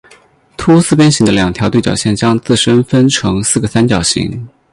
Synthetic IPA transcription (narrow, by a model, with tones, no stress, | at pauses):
t̪ʰu˥sɹ̩˥˩p̬jɛ˥nɕi˧˥ŋd̪ə˧ljɑ˨˩ŋt̪ʰjɑ˧˥ʊwe˥˩t͡ɕjɑ̰˨˩ʊɕjɛ˥˩nt͡ɕjɑ˥ŋt͡sɹ̩˥˩ʂə˥nfə˥nʈ͡ʂʰɤ˧˥ŋsɹ̩˥˩ɡə˩sa˥nt͡ɕjɑ˨˩ʊɕḭ˧˥ŋ